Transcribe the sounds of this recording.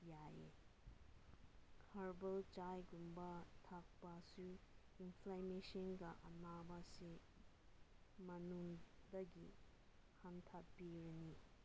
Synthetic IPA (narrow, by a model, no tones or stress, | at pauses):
jajḛ | kʰɐɾbɐlt͡ʃajɡumbɐtʰak̚pasu | inpʰlamesɐnɡɐʔɐnabɐse | mɐnuŋd̪ɐɡḭ | hant̪ʰapbiɾini